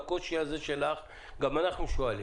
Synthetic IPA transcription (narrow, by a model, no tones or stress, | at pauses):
koʃiazeʃelaχ | ɡamanaχnuʃuali